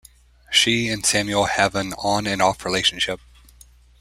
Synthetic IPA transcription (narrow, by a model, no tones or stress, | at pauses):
ʃiɨ̃nsæ̃mjul̩ˠhɛvɨ̃nə̃nɨ̃nɔfɹileɪʃn̩ʃɪp̚